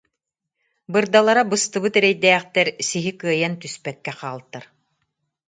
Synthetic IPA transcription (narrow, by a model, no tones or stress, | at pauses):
bɯɾd̪alˠaɾabɯst̪ɯbɯt̪ɛɾɛjd̪ɛːχt̪ɛɾsiɦikɯɐjant̪yspɛkːɛqaːlˠt̪ːaɾ